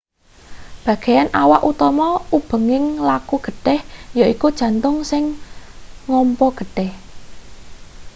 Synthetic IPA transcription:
b̥ä̤ɡ̥ejanʔawaʔut̪ɔmɔub̥ə̤ŋɪŋlakuɡ̥ə̤ɖ̥ɛhjoikud̥ʒ̥ä̤nt̪ʊŋsɪŋː | ɔmpɔɡ̥ə̤ɖ̥ɛh

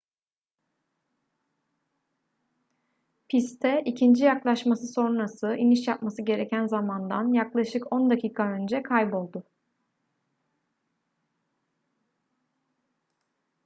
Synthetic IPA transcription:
pʰist̪ʰɛʔicʰind͡ʒijaklˠaʃmasɯso̞nnasɯʔiniʃjap̚masɯɟe̞ɾecʰænzamand̪a̰njaklˠaʃɯkʰo̞nd̪acʰiːkʰaø̞nd͡ʒɛkʰajbo̞lˠd̪ʊ

